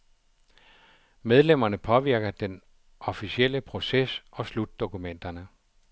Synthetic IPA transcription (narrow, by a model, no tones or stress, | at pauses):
með̞ˠlem̰ɐnəpʰɒ̽ʋiɐɡ̥ɐd̥en | ʔɒ̽fisiel̰əpʰʁo̝sesʔɒ̽slud̥ːo̝kumen̰d̥ɐnə